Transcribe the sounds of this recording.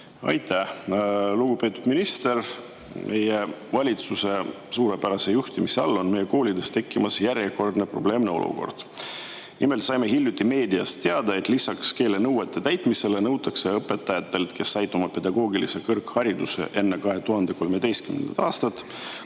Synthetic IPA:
ɑ̰jt̪æ | luɡ̥upe̞t̪ud̪minist̪e̞r | mʔe̞jevɑlʲit̪suse̞ | suːɾe̞pæɾɑse̞juht̪imiseɑ̰lːo̞nme̞je̞ko̞ːlʲid̪e̞st̪e̞kːimɑsjæɾjeko̞rd̪ne̞pro̞ble̞ːmne̞o̞̰lṵko̞̰rd̪̥ | nʔime̞lt̪sɑjme̞ɦilʲjut̪ːˑimeːd̪iɑst̪t̪e̞ɑd̪̥ɑe̞t̪ːˑlisɑkske̞ːle̞nɤwet̪ˑːe̞t̪æjt̪ˑmise̞lenɤwt̪ːˑɑkse̞ɤpːˑe̞t̪ːˑɑjɑt̪ːe̞lt̪kʰe̞sːɑjt̪ːˑumɑpe̞d̪ɑɡo̞ːɡilḭsekɤrkhɑɾid̪use̞̰ʔe̞nːe̞kɑɦe̞t̪uɦɑnd̪̥e̞ko̞lme̞d̪̥e̞jst̪kymend̪ɑ̰t̪ːɑːst̪ɑt̪ːˑ

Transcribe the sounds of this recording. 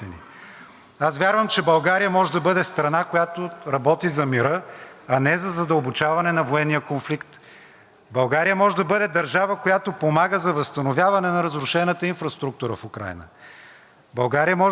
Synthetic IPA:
ɛnḭ | asvʲjaɾvəmt͡ʃɛbɐlˠɡaɾijəmɔʒɛd̪ɐbɤd̪ɛst̪ɾɐnakojat̪oɾɐbɔt̪izɐmiɾɤɐnɛzɐzɐd̪əlˠbot͡ʃavɐnɛnɐvoɛnːijəkonflikt̪ | bɐlˠɡaɾijəmɔʒɛd̪ɐbɤd̪ɛd̪ɐɾʒavəkojat̪opomaɡəzɐvɐst̪ɐnovʲjavɐnɛnɐɾɐzɾʊʃɛnət̪əinfɾɐst̪ɾuk̚t̪uɾəfʊkɾa̰jnə̰ | bɐlˠɡaɾijəmɔʒ

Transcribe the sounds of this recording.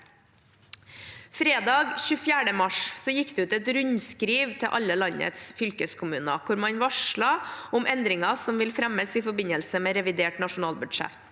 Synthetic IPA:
fɾeːd̪ɑːɡçʉːfjæːɖəmɑʂsɔjɪkːd̪ɛʉːt̪ɛt̪ɾʉɲskɾiːʋt̪ʰɛʔɑlːəlɑɲə̰t̪sfʏlkəskʰʊmʉːnəkʰʊɾmɑnʋɑʂɭɑʔʊmɛnd̪ɾɪŋɑsɔmʋɪlfɾæməsɪfɔɾbɪɲəlsəmeːɾɛʋɪd̪eːʈnɑʂʊnɑːlbʉɖʂæ̰ft̪

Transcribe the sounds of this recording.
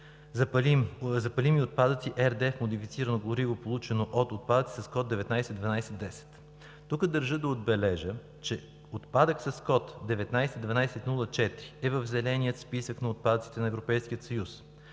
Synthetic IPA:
pmzɐpɐlimiot̪̚pad̪ət̪siʔɛɾd̪ɛfmod̪ifit̪siɾənoɡlˠoɾivopolˠut͡ʃɛnoʔot̪ot̪̚pad̪ət̪sisɐskɔt̪̚d̪ɛvɛt̪najsɛd̪vɐnajsɛd̪ɛsɛ̥t̪ | t̪ukəd̪əɾʒɤd̪ɐod̪bɛlɛʒə | t͡ʃɛ | ot̪pad̪əksɐskɔt̪d̪ɛvɛt̪najsɛd̪vɐnajsɛt̪nulˠət͡ʃɛt̪ɾiɛvəvzɛlɛnʲijət̪spisəknɐot̪̚pad̪ət̪si̥t̪ɛnɐɛvɾopɛjsk̟iət̪sɐjus

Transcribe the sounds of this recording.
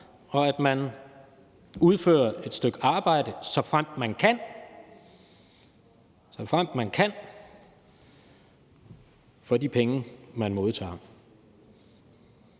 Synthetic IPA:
ɒ̽æd̥mæn | uð̞ˠfø̰ːɐe̝d̥sd̥øɡ̥ɑ̈ːb̥ɑ̈ɪ̰d̥əsɒ̽fʁam̰d̥mænkʰæn | sɒ̽fʁam̰d̥mænkʰæn | fɒ̽dipʰeŋəmænmo̝ð̞ˠt͡sʰɑ̰̈ː

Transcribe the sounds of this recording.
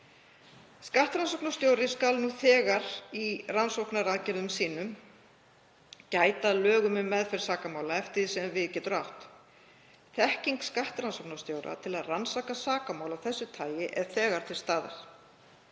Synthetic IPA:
skaht̪ɾansowknast̪jowɾɪskalnuːθɛːɣaɾiransowknaɾaːðcɛɾðʏmsiːnʏm | caːjt̪alœːɣʏmʏmːɛðfɛɾ̥saːkamaːwlaɛft̪ɪðsɛmvɪðcɛːt̪ʏɾaht̪ | θɛhciŋkskaht̪ɾansowknast̪jowɾa̰t̪ʰɪlaðransakasaːkamawlaθɛsːʏt̪ʰaːjɪʔɛð̥θɛːɣaɾ̥t̪ʰɪlst̪aːða̰ɾ̥

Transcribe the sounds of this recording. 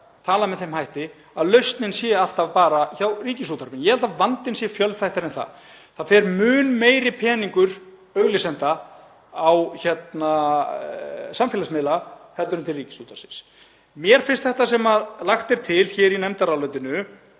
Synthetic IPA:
t̪ʰaːlamɛðθejmɦajht̪ɪ | aðlœɥst̪nɪnsjɛaft̪avpaːɾaçawriːcɪsuːt̪aɾpɪnjɛhɛlt̪avant̪ɪnsjɛfjœlvθajht̪aɾɛnθa̰ð | θaðfɛɾmʏːnmeːjɾɪpʰɛːniŋkʏɾ̥ | œɣlɪsɛnt̪aː | wçɛt̪na | samfjɛlasmɪːlahɛlt̪ʏɾʏmt̪ʰɪlriːcɪ̥suːt̪ʰaɾsɪ̥ns | mjɛɾ̥fɪn̥st̪θɛht̪as̬ɛmalaxt̪ɛɾ̥t̪ʰɪlçɛːɾinɛmt̪aɾalœɥt̪ɪnʏ

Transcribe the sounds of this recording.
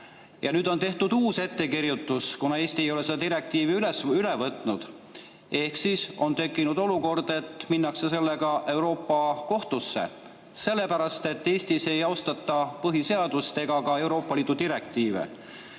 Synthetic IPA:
jɑnyːd̪o̞nt̪e̞ht̪ud̪̥uːse̞t̪ːe̞kiɾjut̪ːˑuskunɑe̞ːsʲt̪iejo̞le̞sed̪ɑt̪iɾe̞k̚t̪iːviylesylevɤt̪ːˑnud̪̥ | e̞hksiso̞̰nt̪e̞kːˑinud̪o̞luko̞rd̪̥e̞t̪ːminːɑksese̞lːeɡ̥ɑʔe̞wɾo̞ːpːɑko̞ht̪usːe̞̰ | se̞lːe̞pæɾɑst̪e̞t̪ːe̞ːsʲt̪ise̞jɑost̪ɑt̪ːˑɑpɤɦise̞ɑd̪̥ust̪e̞ɡ̥ɑkɑe̞wɾo̞ːpːˑɑliːd̪ud̪iɾe̞kt̪iːvḛ

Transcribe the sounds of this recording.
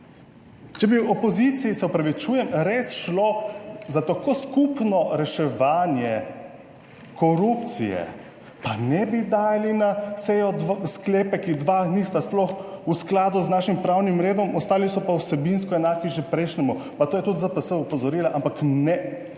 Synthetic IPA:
t͡ʃɛbiwɔpɔzit̪sijisɛɔpɾaʋit͡ʃuːjɛmɾesʃlozat̪akoskupnɔɾɛʃɛʋaːnjɛ | kɔɾupt̪sḭjɛ̰ | panɛbid̪aːjalinasɛjɔd̪ʋskleːpɛkid̪ʋaːnist̪asplɔxusklaːd̪uznaːʃimpɾawnimɾeːd̪ɔmɔst̪aːlisɔpawsɛbinskɔɛnaːkiʒepɾɛjʃnɛmupat̪oːjɛt̪ut̪zapɐsəupɔzɔɾiːlaʔampaknɛ

